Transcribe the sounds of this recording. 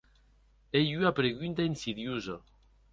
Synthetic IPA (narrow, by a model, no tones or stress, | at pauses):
ejyapɾeɣynt̪ainsiðjuza